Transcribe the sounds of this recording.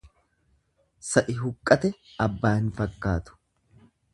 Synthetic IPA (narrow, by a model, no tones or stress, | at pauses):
sɐʔɪɦʊkʼːɐt̪ɛɐbːaːhɪnfɐkːaːt̪ʊ̥